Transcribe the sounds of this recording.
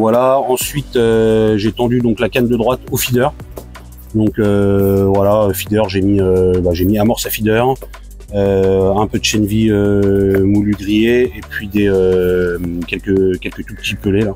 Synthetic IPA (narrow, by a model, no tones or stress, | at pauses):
vwalaɑ̃sɥit̪øʒet̪ɑ̃d̪yd̪ɔ̃klakand̪əd̪ʁwat̪ofid̪œʁ | d̪ɔ̃køvwalaøfid̪œʁʒemiøbaʒemiamɔʁsafid̪œʁ | øɛ̃pød̪ʃɛnviømulyɡ̪ʁijeːpɥid̪eø | kʲɛlkʲəkʲɛlkət̪upət̪ipəlela